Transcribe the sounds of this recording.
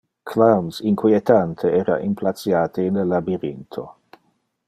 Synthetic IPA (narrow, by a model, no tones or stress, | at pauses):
kʰlamsiŋkwiet̪ant̪ʰeɛːɾa̰ʔimplat̪t͡sjaːt̪ʰiːnləlabiɾint̪ʰo̰